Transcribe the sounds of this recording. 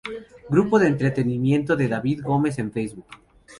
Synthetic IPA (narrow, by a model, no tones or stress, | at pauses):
ɡɾupo̞ðeːnt̪ɾet̪e̞nimje̞nt̪oðe̞ðaβiðɡo̞me̞s̬e̞ɱfejzβuk